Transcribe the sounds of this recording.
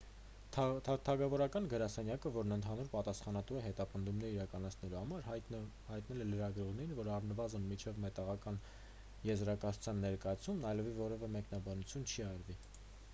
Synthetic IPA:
t̪t̪ʰɑɡɑvɔɾɑkɑnɡəɾɑsɛnjɑkəvɔɾnənt̪ʰɑnuɾpɑt̪ɑsχɑnɑt̪uɛɦɛt̪ɑpənd̪umnɛɾiɾɑkɑnɑt͡sʰnɛluhɑmɑɾ | hɑjt̪nɛlɛləɾɑɡɾɔʁnɛɾinvɔɾɑrnəvɑzənmit͡ʃʰɛvmɛt̪ɑʁɑkɑn | jɛzɾɑkɑt͡sʰu̥t͡sʰjɑnːɛɾkɑjɑt͡s̪ʰumnɑjlɛvivɔɾɛvɛmɛknɑbɑnut͡sʰjunt͡ʃʰiɑɾvi

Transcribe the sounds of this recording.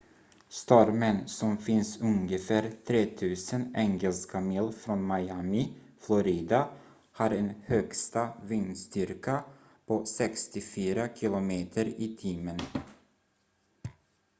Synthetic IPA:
st̪ɔɾmənsɔmfɪnsɵŋɡəfæːɾt̪ʰɾeːt̪ʰʉ̟ːsənɛŋɡɛlskʰamilfɾɔnmajamɪ | flɔɾiːd̪a | haɾɛnhœkst̪avɪnst̪ʏɾka | pʰɔsɛkst̪ɪfyːɾakʰɪlʊmeːt̪ʰəɾɪt̪ʰiːmən

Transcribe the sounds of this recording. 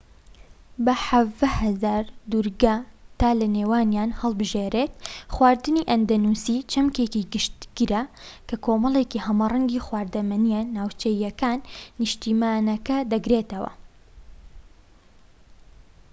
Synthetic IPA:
bɐħavd̪ɐhɐzaːɾd̪uɾɡaːt̪aːlɐneːwaːnjaːnhɐlˠbɨʒeɾet̪̚xwaːɾd̪ɨniʔɐnd̪ɐnusit͡ʃʰɐmkeːciɡɨʃt̪ɡ̥iɾɐkɐkʰoːmɐlˠeːkihɐmarˤɐŋɡiːxwaːɾd̪ɐmɐnijɛnaːwt͡ʃejːɐkaːnːɨʃt̪iːmaːnɐkɐd̪ɐɡɾeːt̪ɐwɐ̰

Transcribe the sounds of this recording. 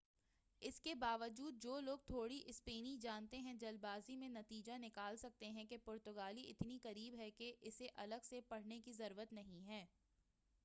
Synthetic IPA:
ɪskebaːʋəd͡ʒuːd̪̚d͡ʒoːloːɡ̚t̪ʰoːɽiʔɪspeːnid͡ʒaːnt̪eɦɛ̃d͡ʒɐlbaːzimẽnɐt̪iːd͡ʒanɪkaːlsɐk̚t̪eɦɛ̃kepʊɾt̪ʊɡaːliʔɪt̪niqɐɾiːbɦɛkeʔɪseʔɐləɡsepɐɽ̤nekizɐɾuːɾət̪nɐɦĩɦɛː

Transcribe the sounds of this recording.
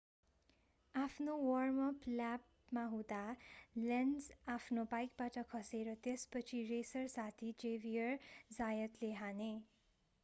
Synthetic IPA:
apʰnowʌrmʌplap | maɦũd̪alenzapʰnobajk̚baʈʌkʰʌseɾʌt̪espʌt͡sʰiresʌrsat̪ʰid͡ʒebijʌrd͡zajʌt̪leɦane

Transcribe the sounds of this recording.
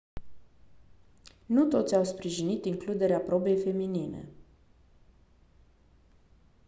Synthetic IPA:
nut̪o̞t̪sʲawspɾiʒinit̪iŋklud̪e̞ɾeapɾo̞be̞jfe̞minine̞̰

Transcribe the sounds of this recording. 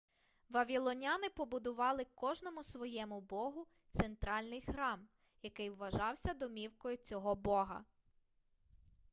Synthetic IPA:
ʋɐʋʲilˠɔnʲɑnɪpɔbʊd̪ʊʋɑlˠɪkɔʒnɔmʊsʋɔjɛmʊbɔɦʊ | t̪sent̪ɾɑlʲnɪjxɾɑm | jɐkɪjwːɐʒɑwsʲɐd̪ɔmʲiwkɔjʊt͡sʲɔɦɔbɔɦɐ̰

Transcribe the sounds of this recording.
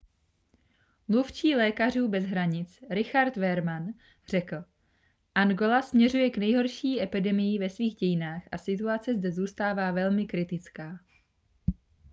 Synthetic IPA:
mluft͡ʃiːlɛːkar̝uːbɛzɦɾaɲɪt͡sɾɪxaɾt̪vɛɾman | r̝̥ɛkl̩ | ʔanɡo̞lasmɲɛrujɛknɛjɦo̞ɾʃiːʔɛpɪdɛmɪjɪvɛsviːɣɟɛjɪnaːxʔasɪt̪uat͡sɛzdɛzuːst̪aːvaːvɛlmɪkɾɪt̪ɪt͡skaː

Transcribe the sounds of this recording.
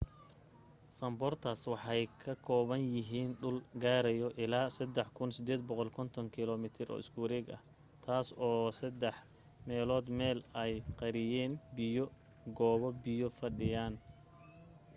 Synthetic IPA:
sɐmbɔrt̪ʰaswɑħɑjkʰɐkʰɔːβɐnjɪɦiːnɖʊlɡaːɾɛjɔʔɪlaːsɐd̪ɛħkʰʊnsɪd̪ɛːd̪̚bɔqɔlkʰɔnt̪ʰɔŋkʰɪlɔːmɪt̪ʰɪɾʔɔ̰ːʔɪskʰuːɾɛːɡɐ̰h | t̪ʰaːsɔːsɐd̪ɛħ | mɛːlɔːd̪mɛːlɛjqɑɾɪjɛːnbɪjɔ | ɡɔːβɔbɪjɔfɐɖɪjaːn

